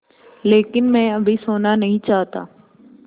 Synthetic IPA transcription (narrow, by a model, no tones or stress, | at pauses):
leːkɪnmɛ̃ːɐbʱisoːnanɐɦĩt͡ʃaːɦt̪a̰ː